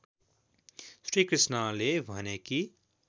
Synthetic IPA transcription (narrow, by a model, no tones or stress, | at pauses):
sɾikɾɪsnaleʋʱəneki